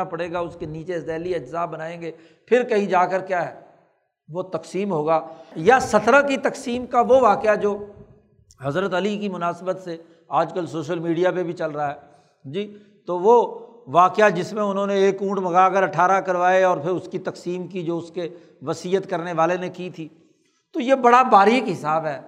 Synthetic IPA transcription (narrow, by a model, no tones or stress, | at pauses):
apɐɽeːɡaʊskeniːt͡ʃed̪ɛːliɐd͡ʒzaːbɐnaːẽːŋɡeː | pʰɪɾkɐɦĩd͡ʒaːkəɾkjaːɦɛː | ʋot̪ɐksiːmɦoːɡaːjasɐt̪ɾakit̪ɐksiːmkaʋoʋaːkɪjad͡ʒoː | hɐzɾət̪ɐlik̬imʊnaːsbət̪se | aːd͡ʒkəlsoːʃ̬əlmiːɖijapebʱit͡ʃɐlɾɐɦaɦɛː | d͡ʒiː | t̪oːʋo | ʋaːkɪjad͡ʒɪsmẽʊnɦõneeːkũːʈbɐɡaːkəɾɐʈʰaːɾakɐɾʋaːeɔːɾpʰɪɾʊskit̪ɐksiːmkid͡ʒoːʊske | ʋɐsiːət̪kɐɾneʋaːlenekit̪ʰiː | t̪ojebɐɽabaːɾikɦɪsaːbɦɛː